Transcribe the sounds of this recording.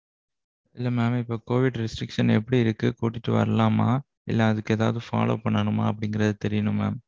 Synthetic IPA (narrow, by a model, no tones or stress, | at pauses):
ɪlːɐmaːmɪpːoːkoːʋɪɽɾɪsʈɾɪkʂɐnɛpːɐɽiɪɾɯkːɯkuːʈːɪʈːɯʋɐ̰ɾɐlaːmaː | ɪ̰lːɐɐðɯkːɯeːðaːʋðɯfa̰ːlo̰ːpɐɳːɐɳɯmaːɐpːɐɽɪŋɡɪɾɐðɯt̪ɛɾɪjɐnɯ̃ma̰ːm